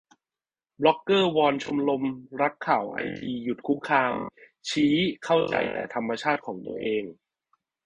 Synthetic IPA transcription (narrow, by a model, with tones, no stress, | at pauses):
blɔ˦˥kːɤː˥˩wɔː˧nt͡ɕʰo˧mlo˧mɾa˦˥kʰːaː˨˩wʔa̰˧jt̪ʰiː˧ju˨˩t̪̚kʰu˦˥m̚kʰaː˧m | t͡ɕʰiː˦˥kʰa˥˩wt͡ɕa̰˨˩jt̪ɛ̰ː˨˩t̪ʰa˧mːa˧t͡ɕʰaː˥˩t̪̚kʰɔː˩˦ŋt̪ṵ˧ɐʔeː˧ŋ